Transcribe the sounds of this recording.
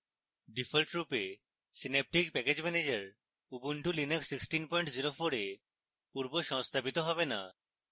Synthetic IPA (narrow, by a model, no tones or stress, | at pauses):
ɖifʰelʈɾupe | sinep̚ʈikpɛked͡ʑmɛned͡ʑeɾ | ubuɳʈulineksːiksʈinpɔjɳʈziɾofoɾe | puɾboʃɔŋst̪ʰabit̪oɦɔbena̰